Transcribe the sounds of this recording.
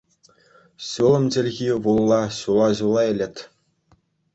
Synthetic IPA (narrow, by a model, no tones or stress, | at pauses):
ɕulˠɤ̆md͡ʑɘ̆lʲɣʲiʋulˠːɑɕulˠɑʑulˠːɑɘ̆lʲɘ̆t̪ʲ